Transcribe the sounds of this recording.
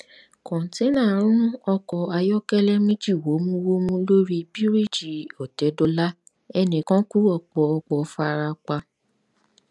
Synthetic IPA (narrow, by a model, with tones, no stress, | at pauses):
kɔ̃˨ti˨˦nãː˦˨ɾ̃ũ˦ũ˦ɔ˧kɔ˧a˧jɔ˦kɛ˦lɛ˦mĩ˦d͡ʒi˦˨wo˨˦mũ˦wo˦mũ˦lo˦ɾi˧bi˦ɾi˦˨d͡ʒi˨ɔ˨tɛ˨˦dɔ˧la˦ | ɛ˧nĩ˨kã˦ku˦ɔ˧k͡pɔ˧ɔ˧k͡pɔ˨˦fa˧ɾa˧k͡pa˧